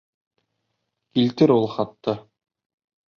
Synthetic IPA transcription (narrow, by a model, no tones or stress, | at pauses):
kilt̪ɘɾulˠχɑt̪ːɤ